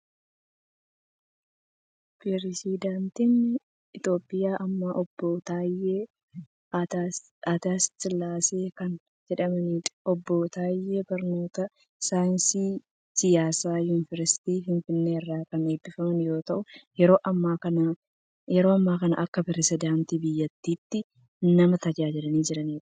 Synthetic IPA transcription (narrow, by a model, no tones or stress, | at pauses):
pɾɛɾsid̪ant̪ɪn | ɪt̪o̞ːpʼːɪjaːʔɐmːaʔɔbːoːt̪aːjeː | at̪aːst̪ɪlaːseːkɐn | d͡ʒɛᶑɐmɐniːᶑɔbːoːt̪aːjːeːbɐɾno̞ːt̪ɐ | saːjɪnsiː | sɪjaːsaːjuːnɪvɐɾsɪ̥t̪iːɦɪnfɪnːeːɪrːaːkɐne̞ːbːɪfɐmɐnjo̞ːt̪ɐʔʊjɛɾo̞ːʔɐmːaːkɐna | jɛɾo̞ːɐmːaːkɐnɐʔɐkːɐpɛɾɛsɪd̪aːnt̪iːbɪjːɐt̪ːiːt̪ːɪ | nɐmɐt̪ɐd͡ʒaːd͡ʒɪlɐniːd͡ʒɪɾɐniːᶑɐ̥